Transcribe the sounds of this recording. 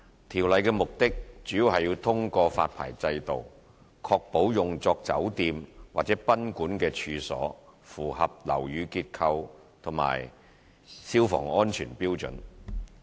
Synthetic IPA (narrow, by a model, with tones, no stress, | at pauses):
t̪ʰiː˨˩wlɐ˨˧jkɛː˧mʊ˨k̚t̪ɪ˥k̚t͡ʃyː˨˥ji˨˧whɐ˨jːi˧wt̪ʰʊ˥ŋkɔː˧faː˧t̚pʰa̰ː˨˩jt͡sɐ˧jt̪o̰˨w | kʰɔː˧k̚po˨˥wjʊ˨˩ŋt͡sɔː˧k̚t͡sɐ̰˨˥wt̪iː˧mwaː˨t̚t͡sɛː˨˥pɐ˥nkuː˨˥nkɛː˧t͡ʃʰyː˧sɔ̰ː˨˥fuː˨˩hɐ˨p̚lɐ̰˨˩wjyː˨˧kiː˧t̚kʰɐ˧w | t̪ʰʊ˨˩ŋma̰ː˨˩j | siː˥wfɔ̰ː˨˩ŋɔː˥nt͡ʃʰyː˨˩npiː˥wt͡sɵ̰˨˥n